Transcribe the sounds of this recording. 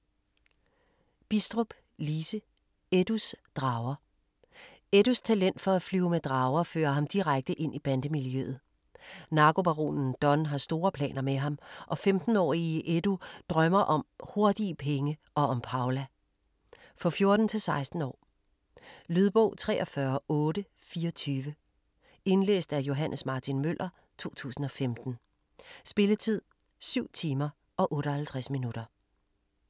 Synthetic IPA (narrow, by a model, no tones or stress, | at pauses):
b̥isd̥ʁob̥ | liːsə | ed̥usd̥ʁɑ̈ʊɐ | ed̥ust͡sʰælen̰d̥fɒ̽æflyːʊmed̥ʁɑ̈ːʊɐfø̰ːɐɦɑ̈md̥iʁaɡ̥̚d̥əʔe̝n̰ʔib̥ænd̥əmiljø̰ːð̞̩ˠ | nɑ̈ɡ̥o̝b̥ɑʁo̝̰ːnn̩d̥ɒ̽nɦɑ̈sd̥o̝ːɐpʰlɛ̰ːnɐmeɦɑ̈mʔɒ̽femd̥n̩ɒ̰ːiʔed̥ud̥ʁɶmɐʔɒ̽mho̝ɐd̥ipʰeŋəʔɒ̽ɒ̽mpʰɑ̈ʊlæ | fɒ̽fjo̝ɐd̥n̩t͡sʰe̝lsɑ̈ɪsd̥n̩ɒ̰ː | lyðˠb̥ɔʊt͡sʰʁɛ̰ːʔɒ̽fɶɐɔ̽ːɾə | fiːɐt͡sʰyːʋə | e̝nlḛːsd̥æɐjo̝ɦænʔəsmɑ̈ːt͡sʰinmøl̰ʔɐ | t͡sʰo̝̰ːt͡sʰṵːsn̩ɒ̽femd̥n̩ | sb̥e̝lət͡sʰið̞̰ˠ | syʊ̰t͡sʰiːmɐ | ʔɒ̽ʔɔ̽ːɾəhælt͡sʰʁasminud̥ɐ